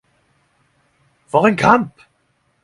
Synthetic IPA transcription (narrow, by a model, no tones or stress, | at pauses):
vɔːʁɛnkʰamp